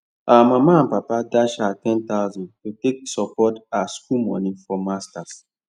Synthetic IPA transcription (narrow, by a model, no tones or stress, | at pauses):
awamamaãnpapadaʃatɛ̃nt̪aʊzɔ̃ntotek̚sɔpɔtaskumɔ̰̃nĩfɔmastas